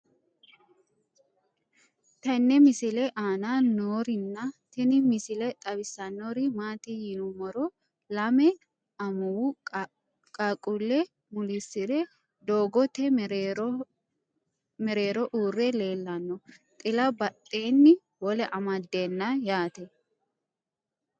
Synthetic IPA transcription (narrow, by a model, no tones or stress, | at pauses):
t̪ɐnːɛmɪsɪlɛʔaːnanoːɾɪnːɐt̪ɪnɪmɪsɪlɛt̪ʼɐbɪsːɐnːoɾɪmaːt̪ɪjɪnʊmɔɾɔ | lɐmɛ | ɐmʊwu | kʼɐkʼʊlːɛ | mʊlɪsːɪd̪ɛ | d̪oːɡɔt̪ɛ | mɛɾeːɾɔʔuːrːɛle̞ːlːɐnːɔt̪ʼɪlɐbɐtʼːeːnːɪ | wɔlɛʔɐmɐd̪ːe̞ːnːɐjaːt̪ɛ